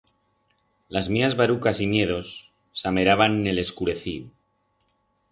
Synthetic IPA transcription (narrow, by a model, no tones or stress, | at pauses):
lazmiazβaɾukasimje̞ð̞o̞sː | ame̞ɾaβanːe̞le̞skuɾe̞θiðu